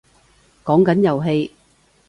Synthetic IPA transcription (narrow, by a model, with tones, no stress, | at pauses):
kɔː˨˥ŋkɐ˨˥njɐ˨˩wɦe˧j